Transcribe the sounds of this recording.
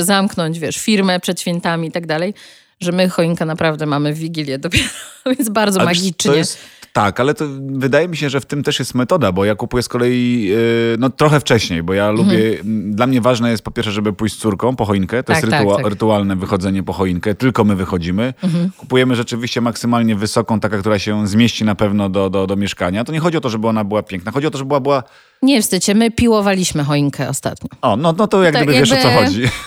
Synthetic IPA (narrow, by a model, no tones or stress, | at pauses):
zamknɔɲd͡ʑvʲjɛʂfʲiɾmɛpʂɛt̪ɕfʲjɛnt̪amʲiit̪aɡd̪alɛj | ʐɛmɘxɔjiŋkɛnapɾavd̪ɛmamɘvʲːiɡʲilʲjɛd̪ɔpʲjeɾɔvjenzbaɾd̪zɔmaɡʲiiɔjɛst̪ːakalɛt̪ɔvɘd̪ajɛmʲiɕɛʐɛft̪ɘmt̪ɛʂjɛst̪mɛt̪ɔd̪abɔjakupujɛskɔlɛji | nɔt̪ɾɔxɛft͡ʂɛɕɲejbɔjalubʲjɛd̪lamɲɛvaʐnɛjɛst̪pɔpʲɛɾfʂɛʐɛbɘpujt͡ɕssuɾkɔ̃w̃pɔxɔjiŋkɛt̪ɔjɛɛt̪ɾɾɘt̪ualnɛvɘxɔd̪zɛɲɛpɔxɔjiŋkɛt̪ɘlkɔmɘvɘxɔd͡ʑimɘku̥pujɛmɘʐɛt͡ʂɘvʲiɕt͡ɕɛmaksɘmalɲɛvɘsɔkɔ̃w̃t̪akak̚t̪uɾaɕɛzmʲjeɕt͡ɕinapɛvnɔd̪ɔd̪ɔd̪ɔmʲjɛʂkaɲat̪ɔɲɛxɔd͡ʑiɔt̪ɔʐɛbɘɔnabɘwapʲjɛ̃ŋk̚naxɔd͡ʑiɔt̪ɔʐɛbwabɘwa | ɲɛfst̪ɘt͡ɕɛmɘpʲiwɔvalʲiɕmɘxɔiŋkʰɛɔst̪a̰t̪ɲɔ̃ɔnɔnɔt̪ɔjaɡd̪ɘbɘvʲjɛʂɔt̪sɔxɔd͡ʑi